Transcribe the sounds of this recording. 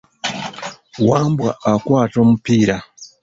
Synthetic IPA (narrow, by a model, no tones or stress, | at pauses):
wambwa̰ʔakwatɔmupiːɾa